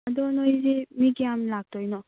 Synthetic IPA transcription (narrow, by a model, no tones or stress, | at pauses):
adɔnojzimiɡijamlak̚tʰɔjnɔ